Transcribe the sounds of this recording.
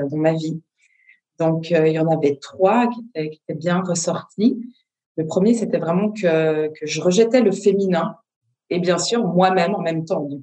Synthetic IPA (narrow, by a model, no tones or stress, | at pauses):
d̪ɑ̃mavi | d̪ɔ̃kʰøiljɑ̃navɛt̪χwakʲet̪ɛkʲie̥t̪ɛbjɛ̃ʁəsɔʁt̪ʰi | ləpχəmjeset̪ɛvʁɛmɑ̃kʰəkəʒəʁəʒət̪ɛləfeminɛ̃ | ebjɛ̃syːʁmwamɛmɑ̃mɛmt̪ɑ̃d̪